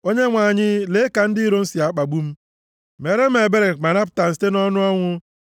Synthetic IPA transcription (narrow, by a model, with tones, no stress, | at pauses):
o˦ɲe˦ŋʷa˨ɲɪ˦le˦ka˨n̩˦di˦ɾo˦n̩˦si˨a˨˦k͡pa˨ɡ͡bu˦m̩˦ | me˨ɾe˦m̩˦e˨be˦ɾe˨ma˨ɾa˦p̬ʊ̥˨˦ta˨n̩˨ste˦nɔ˦nʊ˦ɔ˦ŋʷʊ˦